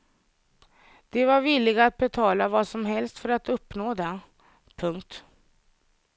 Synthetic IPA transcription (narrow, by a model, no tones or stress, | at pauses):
d̪̥ɛvaɾvɪlːɪɡaat̪̚bɛt̪ʰɑːlavɑsɔmɦɛlst̪fœɾat̪ɵpːnoːd̪ɛ | pʰɵŋkt̪